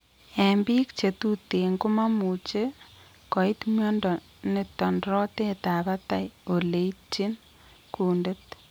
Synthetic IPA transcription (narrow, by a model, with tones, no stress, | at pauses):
e˨mbi˦kt͡ʃe˨tu˦te˨ŋo˦ma˦mu˨t͡ʃe˦ | kɔ˨i˦tmjɔ˦ndɔ˨ | ne˨tɔ˨ndɾɔ˦te˦ta˨βa˦ta˨jo˨le˨i˦t͡ʃi˦n | kuː˨nde˦t